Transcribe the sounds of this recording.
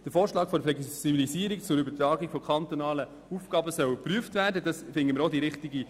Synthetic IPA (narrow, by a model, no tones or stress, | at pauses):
d̥əfoːɾʃlɑːkfɔɾflɛksibilisiːəɾikt͡sʊɾybəɾtɾɑːɡikfɔkʰχɑnt̪onɑːlə | ufɡ̥ɑːbəsœwpryəftvæːɾdədɑsfɪŋɡəməɾodiɾɪχtiɡi